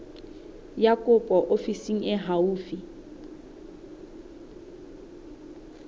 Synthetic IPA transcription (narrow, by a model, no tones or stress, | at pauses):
jakʼɔpʼɔʔofisiŋ̩ɛɦauːfi